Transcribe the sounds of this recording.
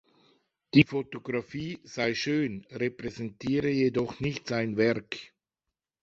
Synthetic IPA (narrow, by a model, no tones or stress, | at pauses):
d̥iːfotoɡʁafiːz̥aɪʃøːnʁepʁɛzɛntiːʁəjedɔχnɪçtz̥aɪnvɛʁk